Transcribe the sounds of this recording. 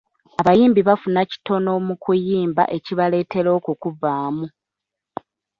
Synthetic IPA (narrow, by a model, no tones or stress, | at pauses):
aβajiːmbiβafunaci̥to̞no̞mukujiːmba̰ʔe̞ciβale̞ːte̞ɾo̞ːkukuvaːmu